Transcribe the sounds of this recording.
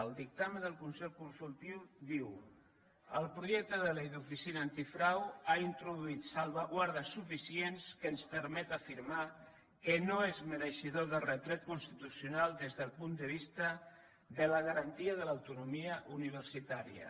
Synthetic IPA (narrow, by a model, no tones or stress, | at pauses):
əlˠd̪ik̚t̪aməðəlˠkunsɛʎkunsulˠt̪iwd̪iw | əlˠpɾuʒɛk̚t̪əðəlejðufisinaːnt̪ifɾawaint̪ɾuðuit̪salˠβaɣwaɾð̞əsufisienskəːnspəɾmɛt̪afiɾma | kənoezməɾəʃiðoðəlrət̪ɾɛt̪̚kunst̪it̪usjunalˠd̪ezðəlˠpund̪əβ̞ist̪ə | ðələɣəɾənt̪iəðələwt̪unumiəʔuniβ̞əɾsit̪aɾḭə̰